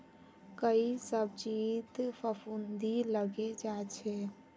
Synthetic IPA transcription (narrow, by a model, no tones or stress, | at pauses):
kəisəb̚t͡ʃit̪pʰəpʰund̪iləɡed͡ʒat͡ʃʰɛ